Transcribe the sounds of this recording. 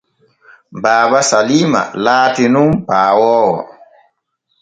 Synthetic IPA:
baːbasaliːma̰laːtinumpaːwɔːwɔ̰

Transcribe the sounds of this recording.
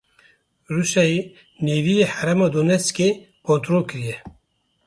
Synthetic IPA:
ruʃɛji | neːvijehæɾɛmɔːd̪oːnɛskeː | kõnt̪ɾoːlkɨɾijɛ

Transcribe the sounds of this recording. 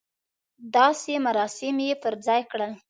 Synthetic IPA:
d̪ɑsemaɾɑsɪmjepəɾd͡zɑjkɽəl

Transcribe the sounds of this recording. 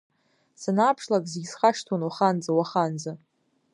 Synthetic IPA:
sanaːpʰʂlakʼzeɡʲzχaʂtʰonwaχand͡zawaχand͡za

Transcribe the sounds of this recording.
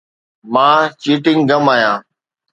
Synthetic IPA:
mãːt͡ʃiːʈɪ̃ŋɡəmaːjãː

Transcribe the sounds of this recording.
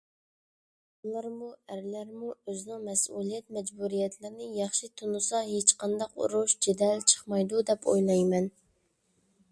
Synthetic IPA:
ulˠɑɾmuæɾlæɾmuøzɪnɪŋmɛsulˠijɛt̪̚mɛd͡ʒbuɾijɛt̪ʰlɪɾɪnɪjɑχʃit̪ʰunusɑɦet͡ʃqɑnd̪ɑqṵɾuʃd͡ʒed̪ɛlt͡ʃʰə̥χmɑjd̪ud̪ɛpʰo̰jlˠɑjmɛn

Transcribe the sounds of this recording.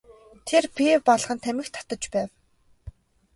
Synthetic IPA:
t̪ʰerpewpɔɮχə̆nt̪ʰæmɘ̆xt̪ʰḁt̪ə̆t͡ɕpæːw

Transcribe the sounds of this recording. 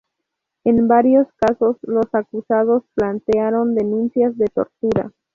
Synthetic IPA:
e̞nbaɾjo̞skaso̞slo̞sakusað̞o̞splant̪eaɾo̞nd̪e̞nũnsjazd̪e̞t̪o̞̰ɾt̪uɾa̰

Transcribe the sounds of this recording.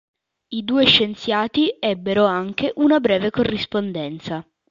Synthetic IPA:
id̪uːeʃːent̪sjaːt̪iɛbːeɾoaŋk̟eʔunabɾɛːvekorːispond̪ɛnt̪sa

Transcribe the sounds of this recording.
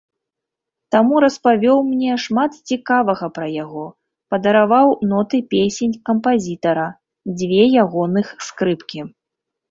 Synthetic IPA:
t̪amuɾɐspavʲɔwmnʲɛʂmat̪t͡sʲikavɐɣɐpɾɐjaɣɔ | pɐd̪ɐɾavawnɔt̪ɨpʲesʲenʲkɐmpazʲit̪ɐɾɐ | d͡zʲvʲɛjaɣɔnɨxskɾɨpkʲi

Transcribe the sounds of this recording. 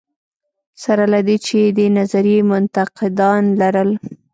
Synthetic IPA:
saɾalad̪et͡ʃed̪ənazaɾjemʊnt̪aqɪd̪ɑnlaɾəl

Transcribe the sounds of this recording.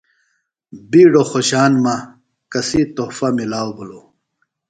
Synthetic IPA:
biːɖoxoɕaːnma | kɐsit̪oːfɐmilaːwbʱolo

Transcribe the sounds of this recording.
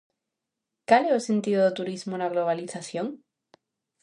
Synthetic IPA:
kaleosẽnt̪iðoðot̪uɾizmonaɣloβ̞aliθaθjoŋ

